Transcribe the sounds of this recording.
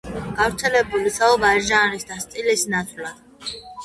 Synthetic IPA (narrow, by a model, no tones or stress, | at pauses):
ɡ̥avɾt̪sʰɛlɛbulisaubaɾʒaɾisd̪ast̪ʼilisnat̪sʼlad̪̥